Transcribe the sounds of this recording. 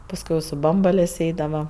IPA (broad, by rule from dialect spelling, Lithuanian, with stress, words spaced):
pɐsˈkʊɪ ɪ sʊ ˈbɐmbɐlʲeːsʲ ˈɛɪdɐʋɐ